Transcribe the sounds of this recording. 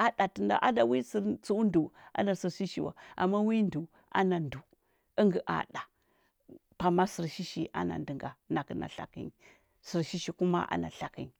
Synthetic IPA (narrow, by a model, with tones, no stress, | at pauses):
a˦ɗa˨ti˨nda̰˨ʔa˦da˨wi˦si˨ɾt͡su˦u˦ndu˨a̰˦na˨si˨ɾʃi˦ʃi˨wa̰˨a̰˨mːa˦wi˦ndu˨ | ʔa̰˦na˨ndu˨ | ə˦ŋɡə˨ʔa̰˨ɗa˨ | pa˨ma˦si˨ɾʃi˦ʃi˨ʔa̰˦na̰˨ndi˨ŋɡa˨na˨kə˦na̰˨ɬa̰˨kḭ˦n˨ | si˨ɾʃi˦ʃi˨ku˦ma̰˦ʔa̰˦na̰˨ɬa˨ki˦n˨